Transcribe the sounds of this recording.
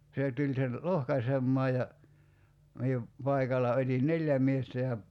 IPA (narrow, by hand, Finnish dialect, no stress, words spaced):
seˑ tulʲ sen lohkɑsemːɑː jɑ mie pɑikɑlˑɑ otʲin neljæ miestæ jɑ